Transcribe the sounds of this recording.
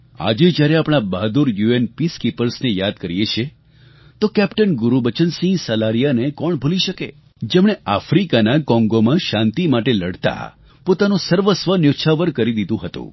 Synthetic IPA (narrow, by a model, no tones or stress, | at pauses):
a̰d͡ʒed͡ʒjaɾeapɽ̃abaɦd̪uɾjuenpiskipəɾsnejad̪̚kəɾijet͡ʃʰe | t̪okɛpʈənɡuɾubət͡ʃənsĩŋɡsəlaɾijanekɔɳbʱuliʃəkḛ | d͡ʒemɳeʔafɾikanakɔ̃ŋɡomãʃãnt̪imaʈeləɽt̪a̰ | pot̪anũsəɾʋəsʋənjoʃʰaʋəɾkəɾid̪id̪ũɦət̪ṵ̃